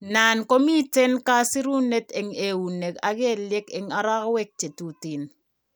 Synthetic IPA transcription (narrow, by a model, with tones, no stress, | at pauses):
na˨nko˦mi˦te˦nka˦si˦ɾu˦ne˦te˨ŋe˨wu˨ne˨ka˨ɡe˦˨lje˦ke˨ŋa˨ɾa˦kwe˦k̚t͡ʃe˨tu˨ti˨n